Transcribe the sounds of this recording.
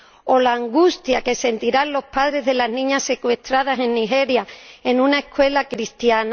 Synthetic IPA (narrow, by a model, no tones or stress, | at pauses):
o̞laːŋɡust̪jake̞se̞nt̪iɾanlo̞spaðɾe̞zðe̞lanĩɲasːe̞kwe̞st̪ɾað̞ase̞nːixe̞ɾjae̞nũnaeskwe̞lakɾist̪jan